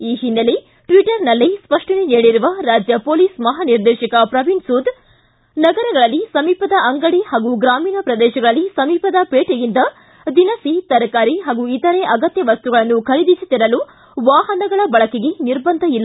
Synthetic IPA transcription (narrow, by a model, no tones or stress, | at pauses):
iːɦinːɐle | ʈʋiʈɐɾnɐlːispɐʂʈɐneneːɽiɾuʋɐɾaːd͡ʒjɐpoːliːsmɐɦaːniɾd̪ɛːʃɐkɐpɾɐʋiɳɖsuːd̪ | nɐɡɐɾɐɡɐɭɐlːisɐmiːpɐd̪ɐʔɐŋɡɐɽihaːɡuɡɾaːmiːnɐpɾɐd̪ɛːʃɐɡɐɭɐlːisɐmiːpɐd̪ɐpeːʈejind̪ɐ | d̪inɐsit̪ɐɾɐkaːɾiɦaːɡuit̪ɐɾeʔɐɡɐt̪jɐʋɐst̪uɡɐɭɐnːukʰɐɾid̪isit̪iɾɐlu | ʋaːɦɐnɐɡɐɭɐbɐɭɐkeɡe̞niɾbɐnd̪ʱɐilːa